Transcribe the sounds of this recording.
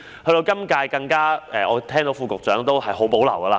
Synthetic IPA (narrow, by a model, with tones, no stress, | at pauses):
hɵ˧t̪o˧wkɐ˥mkaː˧jkɐ˧ŋkaː˥ɛː˨ɔː˨˧t̪ʰɛː˥ŋt̪o˨˥wfuː˨˧kʊ˨k̚t͡ʃœː˨˥ŋt̪o˥whɐ˨jɦo˨˥wpo˨˥wlɐ˨˩wɡɐː˧laː˧